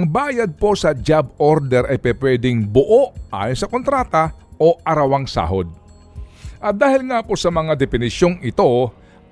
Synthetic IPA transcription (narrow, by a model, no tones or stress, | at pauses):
ɐŋbaːjɐd̪̚po̞sɐd͡ʒaboɾd̪ɛɾʔɐjpɛpwɛːd̪ɪŋbʊʔoʔa̰ːjonsɐkont̪ɾaːt̪ɐʔo̞ʔɐɾɐwaŋsa̰ːɦod̪̚ | ʔɐd̪aːhɪlŋapo̞sɐmɐŋad̪ɛpɪnɪsjo̞ŋɪt̪o̞